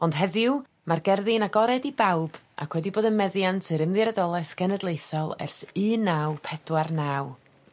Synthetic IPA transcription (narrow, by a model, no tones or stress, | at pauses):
ɔnd̥ɦɛðɪw | marɡɛrðɪnaɡɔɾɛdibawb̥ | a̰kʰwɛdiboːdəmɛðjantʰɨɾɨmðɨɾɛdɔlˠɛsɡ̥ɛnɛdlˠejθɔlˠɛ̰rsɨːnawpʰɛd̥warnaːw